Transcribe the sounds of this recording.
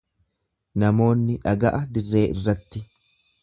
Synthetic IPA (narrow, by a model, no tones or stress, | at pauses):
nɐmo̞ːnːɪᶑɐɡɐʔɐd̪ɪrːe̞ːʔɪrːɐt̪ːɪ